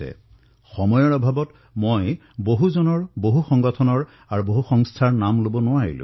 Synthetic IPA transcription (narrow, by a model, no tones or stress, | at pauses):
ɛ̰ | xɔmɔjɔɹɔbʱabɔt | moj | boɦuzɔnɔɹboɦuxɔŋɡɔtʰɔnɔɹ | aɹuboɦuxɔŋstʰaɹnamlobɔnʊwaɹḭlʊ̰̃